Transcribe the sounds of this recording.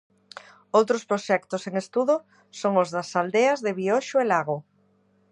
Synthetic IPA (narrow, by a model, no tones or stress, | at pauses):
owt̪ɾospɾoʃɛkt̪ʊseŋest̪uðo | soŋʊzðasald̪eazðeβioʃʊelaɣ̞o